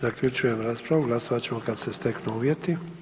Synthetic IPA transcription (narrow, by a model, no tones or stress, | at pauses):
zakʎʲut͡ʃuje̞mɾaːspɾaʋuɡlˠasoʋat͡ɕe̞mo̞kad̪sest̪e̞knuuːʋje̞t̪i